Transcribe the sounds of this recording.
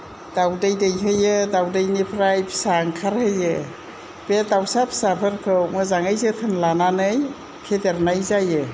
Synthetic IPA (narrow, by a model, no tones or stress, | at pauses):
d̥awdɯjdɯjɦɯjɯdawdɯjnipʰɾajpʰsaŋkʰaɾhɯjɯ | b̥edawsapʰsapʰɯɾkʰɯwmɯzaŋajzɯtʰɯnlananɯj | pʰedeɾnajzajɯ